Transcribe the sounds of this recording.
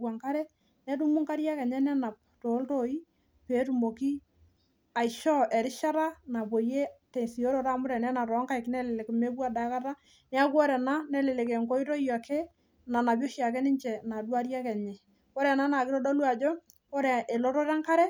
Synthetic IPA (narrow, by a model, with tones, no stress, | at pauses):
wa˨ŋka˦ɾɛ˦ | nɛ˦du˦mu˦ŋka˦ɾja˦kɛ˨ɲɛ˦nɛ˦na˨p̚ | to˨˦lto˦i˦ | peː˨˦tu˨mo˨ki˦ | a˨i˨ʃɔ˦ʔɛ˨ɾɪ˦ʃa˦ɾa˦na˨po˨je˦tɛ˨si˨o˦ɾo˨ɾa˦mʊ˦ɾɛ˨nɛ˦na˨ɾɔ˨˦ŋka˦jknɛ˦lɪ˨lɛ˨kme˦kwa˦da˦ka˦ta˦ | nɛ˦a˦kwɔ˦ɾɛ˨na˦nɛ˦lɪ˨le˨kɛ˨ŋko˦i˦to˦ja˨ke˦ | na˨na˨bjo˦ʃja˨kɛ˦nɪ˦ɲt͡ʃɛ˨na˨dwa˦ɾja˦kɛ˨ɲɛ˨ | ko˦ɾɛ˨na˦na˨kɪ˦ɾɔ˦dɔ˦lu˦a˨d͡ʒɔ˦ | ko˦ɾɛ˨ʔe˨lo˦ɾɔ˦ɾa˦ŋka˦ɾɛ˦